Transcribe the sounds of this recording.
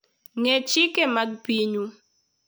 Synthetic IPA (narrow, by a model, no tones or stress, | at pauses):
ŋet͡ʃikemaɡ̚piɲu